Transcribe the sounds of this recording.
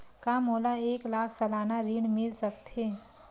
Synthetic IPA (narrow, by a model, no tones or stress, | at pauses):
kamoːlaeːklaːkʰsɐlaːnaɾiːɳmɪlsəkt̪ɦeː